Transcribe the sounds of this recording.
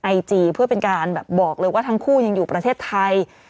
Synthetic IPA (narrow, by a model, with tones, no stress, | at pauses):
ʔa˧jt͡ɕiː˧pʰɯ˥˩ɐpe˧nkaː˧nbɛː˨˩p̚bɔː˨˩k̚lɤː˧jwaː˥˩t̪ʰa˦˥ŋkʰuː˥˩ja˧ŋjuː˨˩pɾa˧eː˥˩t̪ʰːa˧j